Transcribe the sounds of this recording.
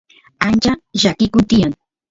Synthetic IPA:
ant͡ʃaʒakɪkʊt̪ɪjaŋ

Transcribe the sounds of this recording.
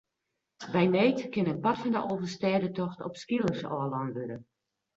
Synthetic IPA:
bɛjneːjtkɪnənpatfɔndə̰ʔoːvərstɛːədətɔxtɔ̰pskilˠərsɔ̰əlɔnʋøɾə

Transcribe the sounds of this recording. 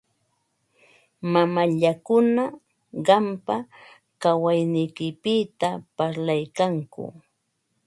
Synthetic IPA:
mamaʎakʊna | ɢɑmpa | kawajnɪjkɪpɪt̪apaɾlajkaŋkʊ̰

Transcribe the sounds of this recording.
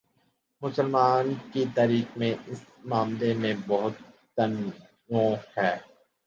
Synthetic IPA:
mʊsəlmaːnkit̪aːɾiːkmẽɪs | maːmlemẽbɔɦʊt̪ː | ən | õhɛː

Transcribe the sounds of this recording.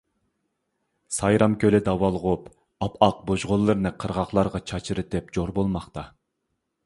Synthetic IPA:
sɑjɾɑmkʲølɪd̪ɑwɑlˠʁup | ɑpɑq̚boʒʁolˠːɨɾnɨqʰəɾʁɑχlˠɑɾʁɑt͡ʃʰɑt͡ʃʰɨɾɨt̪ɪp̚d͡ʒoɾbolˠmɑχt̪ɑ

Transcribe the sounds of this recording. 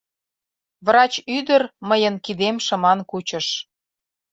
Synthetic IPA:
βrɑt͡ɕyd̪ərməjənkid̪emʃə̆mɑnkut͡ɕə̆ʃ

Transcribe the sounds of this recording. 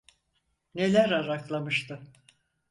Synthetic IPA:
ne̞lʲæɾaɾaklˠamɯʃt̪ʰɯ

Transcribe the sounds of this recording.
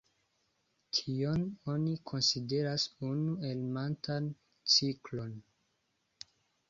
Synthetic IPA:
tʰio̞no̞nikʰo̞nside̞ɾasunue̞lmantan | t͡siklo̞n

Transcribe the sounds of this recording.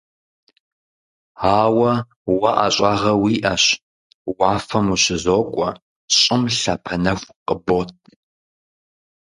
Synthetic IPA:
aːwɐ | wɐʔa̰ɕʼaːʁɐwiːʔɐɕ | waːfɐmuɕɪzoːkʷʼɔ | ɕʼɪmɬɐpʰɐnɐxʷqʼəboːt̚ʰʼ

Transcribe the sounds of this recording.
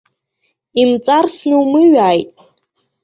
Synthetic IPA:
imt͡sʼarsnɨwmɨɥaːjtʼ

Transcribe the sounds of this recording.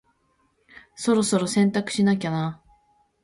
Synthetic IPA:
so̞ɾo̞so̞ɾo̞sẽ̞nt̪akɯ̟̥ɕinakʲana

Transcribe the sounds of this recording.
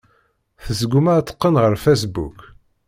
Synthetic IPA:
θəzəɡʷumæt̪ːə̥qːənʁəɾfæs̬bṵk

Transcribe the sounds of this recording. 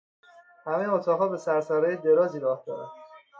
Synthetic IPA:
hæme̞jeot̪ʰɒːɣɒːbe̞sæɾsæɾɒːjed̪e̞ɾɒːziːɾɒːhd̪ɒːɾæ̰n

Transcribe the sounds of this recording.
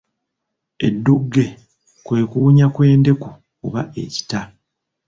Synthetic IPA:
e̞̰dːuɡːe̞ | kwe̞ːkuɲakwe̞ːnde̞ku | uβae̞̰ci̥ta

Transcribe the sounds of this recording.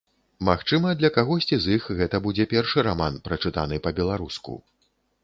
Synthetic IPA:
maxt͡ʂɨmɐd̪lʲɐkaɣɔsʲt͡sʲizixɣɛt̪ɐbud͡zʲɛpʲɛrʂɨɾamanpɾɐt͡ʂɨt̪a̰nɨpɐbʲɛlˠaɾuskṵ

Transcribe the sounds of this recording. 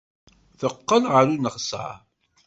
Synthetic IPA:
θəqːəlʁəɾunəχsa̰

